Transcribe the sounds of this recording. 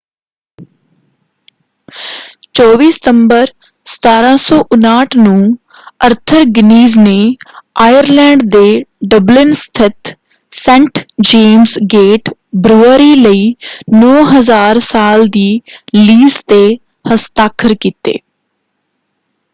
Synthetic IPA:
t͡ʃɔːʋiːsə̥t̪əmbəɾ | sə̥t̪aːɾãːsɔːʔʊnaːʈʰnũː | əɾt̪ʰəɾɡɪniːzneːaːjəɾlɛ̃ːɳɖd̪eːɖəblɪnst̪ʰɪt̪ | sɛ̃ːɳʈd͡ʒeːmzɡeːʈbɾuːəɾiːləiːnɔːɦəzaːɾsaːld̪iːliːst̪eː | həst̪aːkʰəɾkiːt̪ḛː

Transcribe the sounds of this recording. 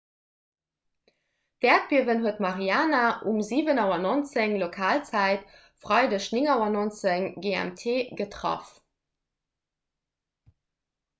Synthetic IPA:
d̥æːt̚b̥iəvənɦuətmɑʁiaːnaʔumziːvənɑʊɐnont͡səŋlokʰaːlt͡sæɪt | fʁɑɪdəɕnɪŋɑʊɐnont͡səŋɡeæ̰mtʰeːɡətʁɑ̰f

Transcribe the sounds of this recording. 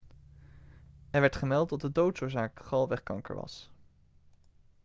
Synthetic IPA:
ɛɹʋɛɹtχəmɛlˠtɔt̚dədowtsʊːɹzaːkχɑlˠʋɛχkɑ̰ŋkə̰ɹʋɑ̰s

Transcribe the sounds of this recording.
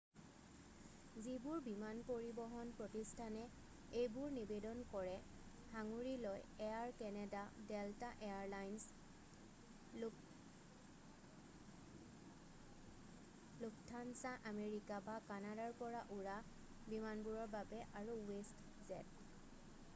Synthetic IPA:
zibʊɹbimanpoɹibɔɦɔnpɹotistʰanɛ | ejbʊɹnibedɔnkɔɹɛ | haŋuɹilojeaɹkɛnɛdadɛltaʔeaɹlajns | lʊk̚ʰtʰansaʔameɹikabakanadaɹpɔɹaʔuɹa | bimanbuɹɔɹbabɛʔaɹuwest | zɛt

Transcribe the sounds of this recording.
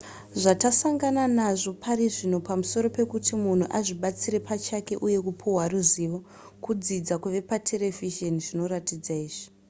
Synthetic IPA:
ʐatasaŋɡananaʐo̞pʰaɾiʐinopamuso̞ɾo̞pe̞kutimun̤uʔaʐiɓat͡siɾe̞pat͡ʃake̞ʔuje̞kupʰuɦwaruziʋo̞ | kud͡zid͡zakuʋe̞patʰe̞le̞viʒoniʐino̞ratid͡zaiːʐi̥

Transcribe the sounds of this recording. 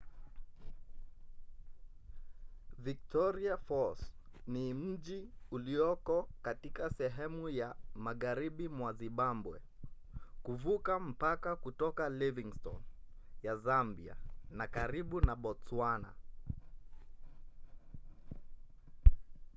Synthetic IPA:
vik̚tɔɾiafɔsnim̩ʄiuliɔkɔkatikasɛɦɛmujamaɣaɾiɓimwaziɓambwɛ̰ | kuvukam̩pakakutɔkaliviŋstɔ̰n | jazambia̰nakaɾiɓunaɓɔswana̰

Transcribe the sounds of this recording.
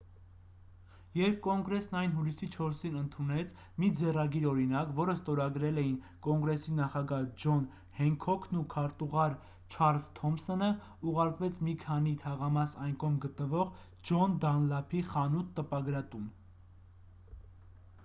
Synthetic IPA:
jɛɾp̚ʰkɔŋɡɾɛsnɑjnɦulisit͡ʃʰɔɾsinənt̪ʰunɛt͡sʰ | mid͡zɛrɑɡiɾɔɾinɑkvɔɾəst̪ɔɾɑɡɾɛlɛjin | kɔŋɡɾɛsinɑχɑɡɑhd͡ʒɔn | hɛŋkʰɔkʰnukʰɑɾt̪uʁɑɾ | t͡ʃʰɑɾlzt̪ʰɔmsɔnə | uʁɑɾkvɛt͡sʰmikʰɑnit̪ʰɑʁɑmɑsɑjnkʰɔmɡət̪nəvɔʁ | d͡ʒɔnd̪ɑnlɑpʰiχɑnut̪ːəpɑɡɾɑt̪un

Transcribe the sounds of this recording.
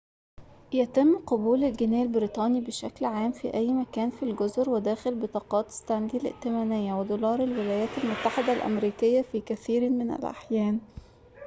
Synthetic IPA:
jæt̪ɪmːqobuːlælɡænæːlbɪɾiːt̪ˤɑːnibeʃæklʕaːmfḭʔæjːmækæːnfilɡozɾwed̪æːxelbet̪ˤɑːqɑːt̪st̪ænd̪ilɪ̰ʔt̪ɪmæːnɪjːæwed̪oːlɑːɾˤelwelæːjæːt̪ælmot̪ːaħed̪ælʔæ̰mɾiːkɪjːæfiːkæθiːɾmɪnæ̰lʔa̰ħjæːn

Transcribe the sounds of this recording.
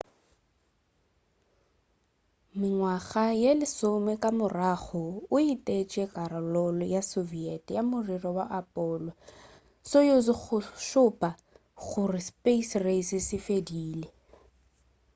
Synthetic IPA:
mɪŋwaɣajelɪsʊmɛkʼamʊraɣɔʊitʼet͡ʃʼɛkʼaɾɔlɔlɔjasoviɛtʼjamʊrirɔwaʔapʼɔːlɔ | sojozɪɣʊʃʊpʼa | ɣʊrɪspeisresɪsɪfediːle

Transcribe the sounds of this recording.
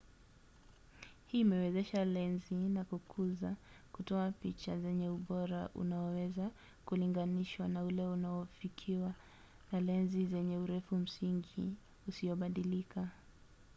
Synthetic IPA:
hiːmɛwɛzɛʃalɛnzinakukʰuzakutɔapit͡ʃazɛɲɛuɓɔɾaʔṵnaɔwɛza | kuliŋɡaniʃwanaulɛunaɔfikʰiwa | nalɛnzizɛɲɛuɾɛfum̩siŋɡi | usiɔɓaɗilika

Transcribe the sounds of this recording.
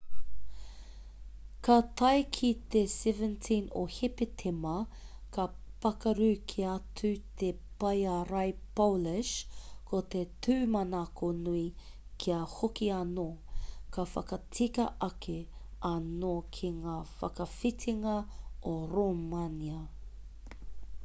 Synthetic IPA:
kɐt̪ɐjkʰit̪esɛvəntʰĩno̰hepetʰemɐ | kɐpɐkɐɾʉkʰiɐt͡sʰʉt̪ʰe | pɐjaɾɐjpolɪʃkʰot̪etʰʉːmɐnakonui | kʰiɐhokiɐnokʰɐfɐ̰kɐtʰikɐʔɐkʰeɐnokʰiŋaːfɐ̰kɐfitʰiŋɐoɾomaniɐ

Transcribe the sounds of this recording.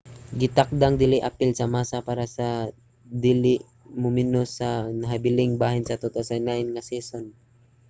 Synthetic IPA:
ɡɪt̪ak̚d̪aŋd̪ɪlɪʔapɪlsɐmaːsapaːɾasɐ | d̪ilɪʔ | mʊmɪnosɐnɐɦabɪlɪŋbaːɦɪnsɐt̪ot̪osanaɪnŋasɛːson

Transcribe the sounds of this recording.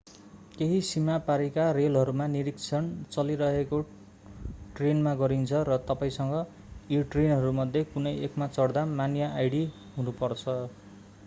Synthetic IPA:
keɦisimapaɾikarelɦʌɾumaniɾikt͡sʰʌnt͡sʌliɾʌɦeko | ʈrenmaɡʌɾint͡sʰʌɾʌt̪ʌpaĩsʌŋɡʌ | jiʈrenɦʌɾumʌd̪ʱjekunʌjekmat͡sʌɽd̪amanjʌajɽi | ɦunupʌrt͡sʰʌ

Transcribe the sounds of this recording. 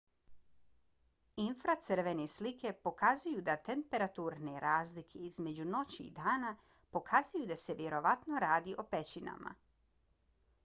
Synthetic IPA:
infɾat̪sɨr̩ʋe̞neslike̞po̞kazujud̪at̪e̞mpe̞ɾat̪uːɾneɾʔaːzlikʰe̞izme̞d͡ʑuno̞t͡ɕḭːd̪aːna | po̞kʰazujud̪ase̞ʋje̞ɾo̞ʋat̪no̞ɾaːd̪iʔo̞pet͡ɕina̰ma̰

